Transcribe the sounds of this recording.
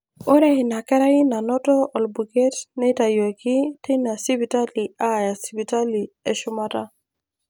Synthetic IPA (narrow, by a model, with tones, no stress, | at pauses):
o˦ɾa˦ɪ˨na˨kɛ˦ɾa˦ɪ˦na˨nɔ˦tɔ˦ɔ˨lbu˨ɡe˦tnɛ˦ta˨jo˨ki˦te˦na˨si˦pi˨ta˦li˨a˦˨ja˨si˦pi˨ta˦li˨e˨ʃʊ˦ma˦ta˦